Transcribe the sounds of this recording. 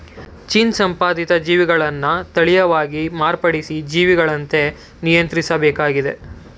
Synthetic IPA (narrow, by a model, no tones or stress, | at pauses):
t͡ʃinsɐmpaːd̪it̪ɐd͡ʒiːʋiɡɐɭɐnːɐt̪ɐɭijɐʋaːɡimaːɾpɐɽisid͡ʒiːʋiɡɐɭɐnt̪e̞ | nijɐnt̪ɾisɐbɛːkaːɡid̪e̞̰